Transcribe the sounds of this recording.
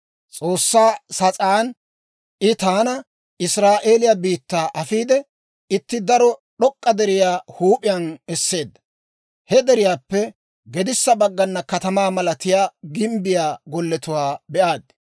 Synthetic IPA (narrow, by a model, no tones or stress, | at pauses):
t͡sʼo̞ːsːaːsɐt͡sʼaːn | ʔɪt̪aːnɐ | ɪsɾaːʔe̞ːlɪjabiːt̪ːaːʔɐfiːd̪ɛ | ɪt̪ːɪd̪ɐɾɔɗɔkʼːɐd̪ɛɾɪjaːhuːpʼɪjɐnɛsːe̞ːd̪ːɐ̥ | hɛd̪ɛɾɪjaːpːɛ | ɡɛd̪ɪsːɐbɐɡːɐnːɐkɐt̪ɐmaːmɐlɐt̪ɪjaːɡɪmbɪjaːɡɔlːɛt̪ʊwaːbɛʔaːd̪